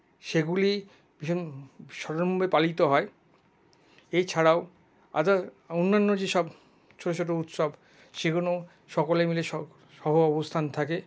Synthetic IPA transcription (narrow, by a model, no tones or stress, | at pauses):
ʃeɡuli | biʃɔɾomubepalit̪oɦɔe | ejt͡ɕʰaɽao | a̰d̪a | onːanːod͡ʑeʃɔb | t͡ʃʰoʈot͡ɕʰoʈ̬out̪ʃɔb | ʃeɡuno | ʃɔkolemileʃɔ | ʃɔɦoɔbost̪ʰant̪ʰake